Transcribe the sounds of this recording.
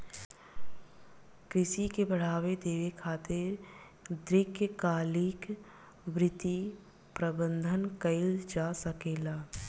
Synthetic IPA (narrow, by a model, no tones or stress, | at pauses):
kɾɪsikebəɽ̤aːwed̪eːʋekʰaːt̪ɪɾ | d̪ɾɪkjəkaːlɪk | ʋɾɪt̪i | pɾəbə̃nd̪ʱənkəɪld͡ʒaːsəkeːlaː